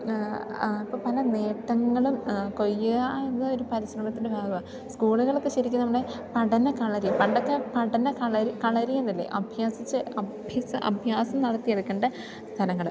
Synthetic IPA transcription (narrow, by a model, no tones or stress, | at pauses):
ipːoːpɐlɐne̞ːʈːɐŋːɐɭumko̞jːuɣaenːɐo̞ɾupɐɾiɕrɐmɐt̪ːinɖebʱaːɡɐʋa | skuːɭuɣɐɭo̞kːe̞ɕɐɾikʲːunɐmːɐɽepɐɽɐnɐkɐɭɐɾipɐɳɖokːepɐɽɐnɐkɐɭɐɾikɐɭɐɾijenːilːḛʔɐbʱjaːsit͡ɕːɨɐbʱjɐsɐʔɐ̰bʱjaːsɐmnɐɽɐt̪ːijeðukːeɳɖɐ | st̪ʰɐlɐŋːɐɭum